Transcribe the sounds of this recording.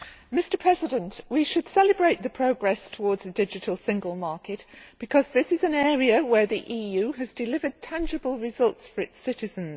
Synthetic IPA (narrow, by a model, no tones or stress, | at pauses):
mɪstə˞pʰɹ̥ɛzɪɾə̃nʔwiʃəd̥sɛlɪbɹeɪʔ̪̚ðəpʰɹ̥oʊɡɹɛstʰəwɔːdzðədɪd͡ʒɪtʰəlˠsɪ̃ŋɡəlˠmɑɹkɪʔb̥ɪkʰɒzðɪsɪzə̃nɛːɹiəwə˞ðiʔiːjʉːəzdɪlɪvə˞d̚tʰãnd͡ʒɪbəlˠɹɪzʌlˠtsfəɹɪtsɪtɪzə̃nz̥